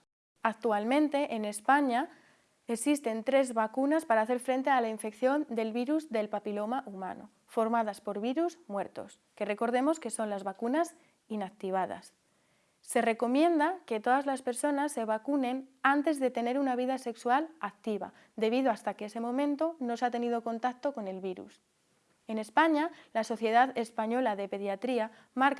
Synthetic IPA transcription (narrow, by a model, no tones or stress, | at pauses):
ak̚t̪ualmẽ̞nt̪e̞ʔene̞spaɲa | eksist̪e̞nt̪ɾe̞zβakunaspaɾaːθe̞ɾfɾe̞nt̪̬e̞alaiɱfe̞kθjo̞nd̪e̞lβiɾuzðe̞lpapilo̞maʔuma̰no̰ | fo̞ɾmað̞aspo̞ɾβiɾuzmwe̞ɾt̪o̞̰s | ke̞re̞ko̞ɾðe̞mo̞ske̞so̞nlazβakunas | inak̚t̪iβ̞aða̰sː | e̞re̞ko̞mjẽ̞nd̪ake̞t̪o̞ðazlaspe̞ɾso̞nasːe̞β̞akune̞nant̪e̞zðe̞t̪e̞ne̞ɾunaβ̞iðase̞kswalak̚t̪iβa̰ | d̪e̞β̞iðoast̪akeese̞mõ̞mẽnt̪o̞no̞sat̪e̞niðo̞ko̞nt̪ak̚t̪o̞ko̞ne̞lβiɾṵs | e̞ne̞spaɲalaso̞θje̞ð̞aðe̞spaɲo̞laðe̞pe̞ðjat̪ɾia | maɾk